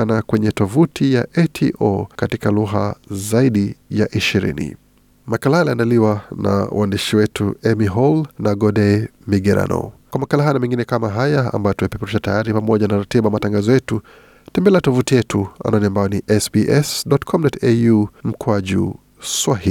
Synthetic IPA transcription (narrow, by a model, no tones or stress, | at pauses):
anakwɛɲɛtɔvutijaʔɛtʰḭʔɔ̰katikaluɣa̰zaiɗijaʔiʃiɾḭnḭ | makalahaliandaliwana̰wʔa̰ndiʃiwɛtuɛmiɦɔlnaɡɔɗɛmiɡɛɾa̰nɔ̰kwamakalaɦanamɛŋɡinɛkamaɦajaa̰mbajɔtumɛpɛpɛɾiʃatajaɾipamɔʄanaɾatiɓaamataŋɡazɔjɛtu | tɛmbɛlɛatɔvutijɛtʰua̰naniambajɔniʔɛsbiʔɛsɗɔtkʰɔmdɔtejum̩kwaʄṵ | swahil